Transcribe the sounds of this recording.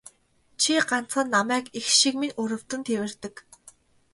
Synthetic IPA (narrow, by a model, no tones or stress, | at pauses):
t͡ɕʰiɢan̥t͡sχə̆nːamæːkixʃikminɵɾɵ̆w̥t̪ɘ̆nt̪ʰewɘ̆rt̪ɘ̆k